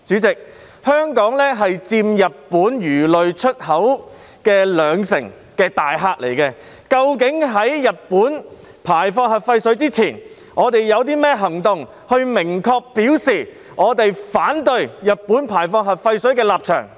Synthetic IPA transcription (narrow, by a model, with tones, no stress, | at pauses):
t͡syː˨˥t͡sɪ˨k̚ | hœː˥ŋkɔː˨˥ŋlɛː˥ɦɐ˨jt͡siː˧mjɐ˨t̚puː˨˥njyː˨˩lɵ˨ɥt͡ʃʰɵ˥t̚hɐ˨˥w | kɛː˧lœː˨˧ŋsɪ˨˩ŋ | kɛː˧t̪aː˨jɦaː˧k̚lḛ˨˩jkɛː˧ | kɐ˧wkɪ˨˥ŋɦɐ˨˥jjɐ˨t̚pːuː˨˥n | pʰaː˨˩jfɔː˧ŋɦɐ˨p̚fɐ˧jsɵ˨˥ɥt͡siː˥t͡sʰiː˨˩n | ʔɔː˨˧t̪e˨jːɐ˨˧wt̪̬iː˥mɛː˥ɦɐ˨˩ŋt̪ʊ˨ŋ | hɵ˧ɥmɪ˨˩ŋkʰɔː˧k̚pi˨˥wsiː˨˩ | ŋɔː˨˧t̪e˨jfaː˨˥nt̪ɵ˧ɥjɐ˨t̚puː˨˥npʰaː˨˩jfɔː˧ŋ̚ɦɐ˨p̚fɐ˧jsɵ˨˥ɥkɛː˧laː˨p̚t͡ʃʰœ̰ː˨˩ŋ